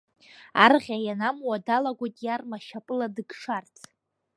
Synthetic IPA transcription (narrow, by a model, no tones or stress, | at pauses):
a̰rʁʲajanamwadalaɡʷojtʼjarmaʃapʼɨladɨɡʂartʰ